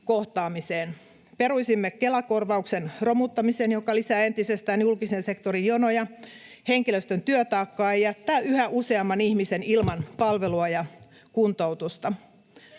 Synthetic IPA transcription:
koht̪ɑːmiseːn | peɾuisimːekelɑkorʋɑuksenromut̪ːɑmiseːnjokɑlisæːent̪isest̪æːnjulkisense̞kt̪oɾijjonojɑ | heŋkiløst̪ønt̪yøt̪ɑːkːɑːejæt̪ːæːyhæʔuseɑmːɑnihmisenilmɑnpɑlʋeluɑjɑ | kunt̪out̪ust̪ɑ

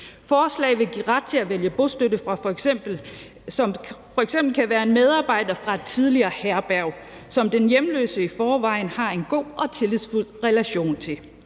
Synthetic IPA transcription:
fɒːslɛ̰ɪʋe̝ɡ̥iʁɑ̈d̥̚t͡sʰe̝æʋeljəb̥o̝sd̥ødəfʁɑ̈fb̥̩ | ɒ̽mfɒ̽eɡ̥sem̰b̥l̩kʰæʋæːɐe̝nmeð̞ˠɑ̈ːb̥ɑ̈ɪ̰d̥ɐfʁɑ̈t͡sʰið̞ˠliɐːhæɐb̥æɐʊ | sɒ̽md̥enjemlø̰ːsəifɒːʋɑ̈ɪ̰nhɑ̈e̝nɡ̥o̝̰ːʔɒ̽t͡sʰe̝liðˠsful̰ʁɛlæɕo̝̰ːnt͡sʰe̝l

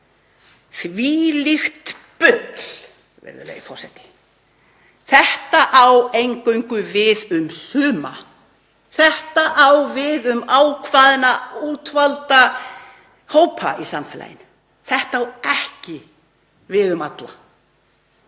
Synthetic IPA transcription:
θviːlixt̪ | pʏt̪l̥ | vɛ̰ɾðʏ̰lɛ̰jifɔr̥sɛt̪ɪ̥ | θɛht̪aʔawejŋkøɥŋkʏvɪðʏmsʏːma̰ | θɛht̪aʔawvɪðʏmaːwkʰvaːðɪnauːt̪valt̪a | hoːwpʰa̰isamfɛːla̰jɪ̰n | θɛht̪aawɛhcɪ | vɪðʏmat̪la̰

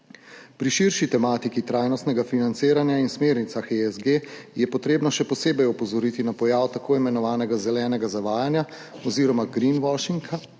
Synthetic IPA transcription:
pɾiʃiɾʃit̪ɛmaːt̪ikit̪ɾajnɔst̪nɛɡafinant̪siːɾanjainsmeːɾnit̪saxeɛzɡejɛpɔt̪ɾeːbnɔʃɛpɔseːbɛjɔpɔzɔɾiːt̪inapɔjaːwt̪akʰoːimɛnɔʋaːnɛɡazɛlɛːnɛɡazaʋaːjanja | ɔziːɾɔmaɡɾinwɔʃiŋkʰa

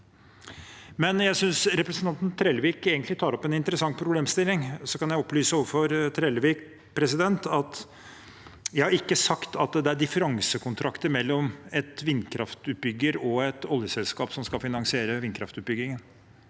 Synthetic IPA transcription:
mɛnjæɪsʏnsɾɛpɾəsənɑnt̪n̩t̪ʰɾeːlʋiːkeːɡənt̪lɪt̪ʰɑːɾɔpɛnɪnt̪əɾəsɑŋpʰɾʊbleːmst̪ɪlːɪŋsɔkɑnjæɪɔpːlyːsəʊfɔɾt̪ʰɾeːlʋiːk | pʰɾɛsɪd̪ɛnt̪ɑt̪ | jæhɑɾɪkːəsɑkt̪ʰɑt̪̚d̪ɛæɖɪfəɾɑŋsəkʰʊnt̪ʰɾɑkt̪əɾmɛlːɔmɛt̪ʋɪnkʰɾɑft̪ʉːt̪̚bʏɡːəɾɔɛt̪ɔljəsɛlskɑːpsɔmskɑfɪnɑŋsɪeːɾəʋɪnkʰɾɑ̰ft̪ʉːt̪̚bʏɡɪŋən

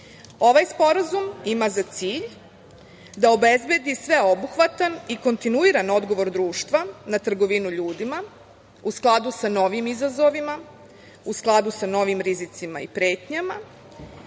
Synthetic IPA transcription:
o̞ʋajspo̞ɾazumimazat̪siːʎ | d̪ao̞be̞zbje̞d̪isʋe̞o̞buxʋat̪aniko̞nt̪inuiɾano̞d̪ɡo̞ʋo̞ɾd̪ɾuːʃt̪ʋanat̪r̩ɡo̞ʋinuʎuːd̪ima | usklˠad̪usano̞ʋimizazo̞ʋima | usklˠad̪usano̞ʋimɾizit̪sima̰ipɾe̞ːt̪ɲama

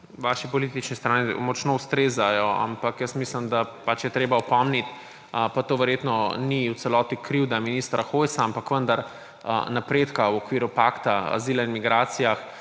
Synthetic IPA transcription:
ʋaːʃipɔlit̪it͡ʃnɛst̪ɾaːnimɔt͡ʃnoːust̪ɾeːzajɔa̰mpakjəsmislimd̪apat͡ʃjɛt̪ɾeːbaɔpɔmnit̪ | pat̪oːʋɛɾjeːt̪nɔniw̪sɛlɔːt̪ikɾiwd̪aminiːst̪ɾaxojsaampakʋənd̪aɾ | napɾeːt̪kawɔkʋiːɾupakt̪aa̰ziːlainmiɡɾaːt̪sijax

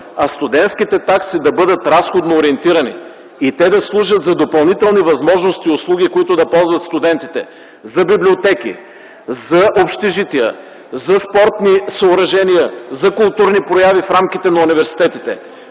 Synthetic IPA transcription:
ɐst̪ʊd̪ɛnt̪sk̟it̪ɛt̪aksid̪ɐbɤd̪ət̪ɾasxod̪noːɾiɛnt̪iɾɐnḭː | t̪ɛd̪ɐslˠuʒət̪zɐd̪opɐlˠnit̪ɛlˠnivɐzmɔʒnost̪iʊslˠuɡ̟ikoit̪ʊd̪ɐpɔlˠzvɐt̪st̪ʊd̪ɛnt̪it̪ɛ | zɐbibliot̪ɛkḭ | zɐʔopʃt̪iʒit̪iə̰ | zɐspɔɾt̪nisɐʊɾɐʒɛnijəzɐkʊlˠt̪uɾnipɾojavifɾamk̟ʲit̪ɛnɐʊnivɛɾsi̥t̪ɛt̪it̪ɛ̰

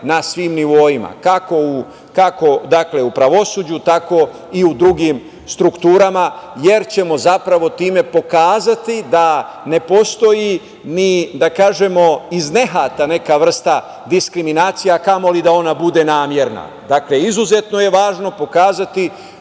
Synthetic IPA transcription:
nasʋiːmniʋo̞jima̰kako̞u | kako̞d̪akle̞upɾaʋo̞suːd͡ʑut̪ako̞ | iud̪ɾuɡim | st̪ɾukt̪uːɾamaje̞ɾt͡ɕe̞mo̞zapɾaʋo̞t̪iːme̞po̞kaːzat̪id̪a | ne̞po̞st̪o̞ji | nid̪akaːʒe̞mo̞izne̞ɦaːt̪ane̞kaʋr̩st̪a | d̪iskɾiminaːt̪sijakamo̞lid̪ao̞nabud̪e̞naːmje̞ɾna̰ | d̪akle̞izuzet̪no̞je̞ʋaːʒno̞po̞kaːzat̪i

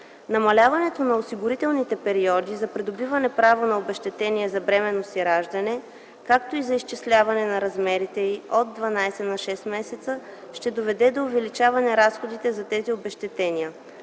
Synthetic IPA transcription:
nɐmɐlʲavɐnɛt̪onɐosiɡʊɾit̪ɛlˠnit̪ɛpɛɾiɔd̪izɐpɾɛd̪obivɐnɛpɾavonɐobɛʃt̪ɛt̪ɛniɛzɐbɾɛmɛnːosiɾaʒd̪ɐnɛ | kak̚t̪oizɐiʃt͡ʃislʲavɐnɛnɐɾɐzmɛɾit̪ɛiod̪̚ːvɐnajsɛnɐʃɛst̪mɛsɛt̪sə | ʃt̪ɛd̪ovɛd̪ɛd̪oːvɛlit͡ʃavɐnɛɾasxod̪it̪ɛzɐt̪ɛziobɛʃt̪ɛt̪ɛniə

